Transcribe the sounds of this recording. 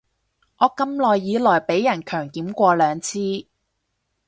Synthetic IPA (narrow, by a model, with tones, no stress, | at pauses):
ʔɔː˨˧kɐ˧mlɔː˨˩jːiː˨˧lɔː˨˩jpe˨˥jːɐ˨˩nkʰœː˨˩ŋkiː˨˥mkʷɔː˧lœː˨˧ŋt͡sʰiː˥